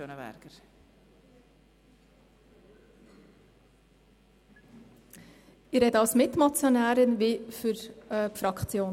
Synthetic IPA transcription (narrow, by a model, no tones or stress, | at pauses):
ønəɛ̰ɾɡ̥əɾ | ɪɾɛdəɑlsmɪtmɑt͡sjonæːɾənʋifyɾfɾɑkʰt͡sjoːn